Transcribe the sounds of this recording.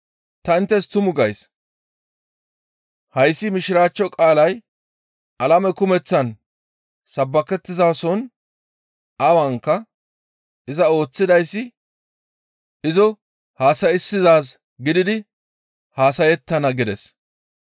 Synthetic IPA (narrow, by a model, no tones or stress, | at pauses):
t̪ɐɪnt̪ːɛst̪ʊmʊɡɐjs | hɐjsːɪmɪʃɪɾaːt͡ʃːɔkʼaːlɐj | ʔɐlɐmɛkʊmɛt͡sːɐn | sɐbːɐkɛt̪ːɪzaːsɔn | ʔɐwɐŋkːɐ | ɪzɐo̞ːt͡sːɪd̪ɐjsːɪ | ɪzɔ | haːsɐjɪsːɪzaːs | ɡɪd̪ɪd̪ɪ | haːsɐjɛt̪ːɐnɐɡɪd̪ɛs